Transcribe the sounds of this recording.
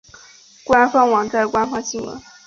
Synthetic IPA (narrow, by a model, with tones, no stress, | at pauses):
kwa˥nfɑ˥ŋwɑ˨˥˦ŋt͡sa˥˩ɪkwa˥nfɑ˥ŋɕi˥˩ŋwə̰˧˥˦n